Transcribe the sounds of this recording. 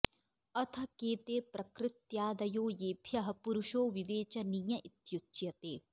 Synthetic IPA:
ɐt̪ʰɐ̆keːt̪eːpɾɐkɾɪt̪jaːd̪ɐjoːjeːbʰʱjɐɦɐ̆puɾuʃoːʋiʋeːt͡ʃɐniːjɐʔit̪jutt͡ʃjɐt̪eː

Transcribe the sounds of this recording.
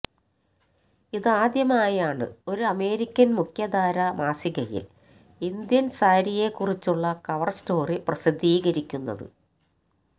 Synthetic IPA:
iðɨaːd̪jɐmaːjaːɳɨ̰o̞ɾuɐme̞ːɾikʲːɐnmukʰjɐd̪aːɾɐmaːsiɣɐjḭl | ind̪jɐnsaːɾije̞kːurit͡ɕːuɭːɐkɐʋɐrsto̞ːriprɐsid̪ʱːiːɣɐɾikʲːunːɐ̰ðɨ̰

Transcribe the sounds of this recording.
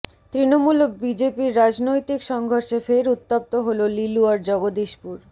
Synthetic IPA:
t̪ɾinomulobid͡ʑepiɾːad͡ʑnojt̪ikʃɔŋɡʱoɾʃefeɾut̪ːap̚t̪oɦololiluaɾd͡ʑɔɡod̪iʃpuɾ

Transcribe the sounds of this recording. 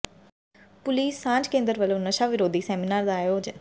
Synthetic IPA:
pʊliːsːãːɲd͡ʒkẽːnd̪əɾʋəlõːnəʃaːʋɪɾoːd̪ʱiːsɛːmɪnaːɾd̪aːjoːd͡ʒ

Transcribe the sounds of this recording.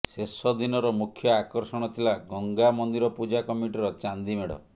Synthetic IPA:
sesɔd̪inɔɾɔmukʰjɔakɔɾsɔɽ̃ɔt̪ʰilaɡɔŋɡamɔnd̪iɾɔpud͡ʒakɔmiʈiɾɔt͡ʃand̪imeɽɔ̰

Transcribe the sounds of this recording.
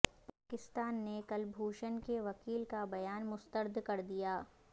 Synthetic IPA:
paːkɪst̪aːnːekɐlbʱuːʃənkeʋɐkiːlkabɐjaːnmʊst̪əɾd̪ʱkɐɾd̪ijaː

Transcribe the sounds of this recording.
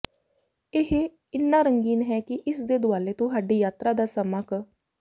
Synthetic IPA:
ɪɦe | ɪnːaːɾəŋɡiːnɦɛːkɪʔɪsd̪eːd̪ʊaːleːt̪ʊɦaːɖiːjaːt̪ɾaːd̪aːsəmək

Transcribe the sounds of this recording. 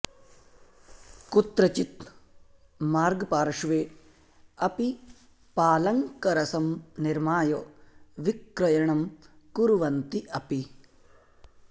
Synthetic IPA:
kut̪ɾɐt͡ʃit̪̚ | maːɾɡpaːɾɐʂʋeː | ɐpi | paːlɐŋkɐɾɐsɐmniɾmaːjoʋikɾɐjɐɳɐmkuɾuʋɐnt̪iʔɐpi

